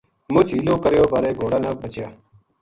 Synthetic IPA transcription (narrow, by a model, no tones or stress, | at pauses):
mʊt͡ʃʰiːlõːkəɾjoːbaːɾeːɡʱoːɽaːnaːk̚bət͡ʃjaː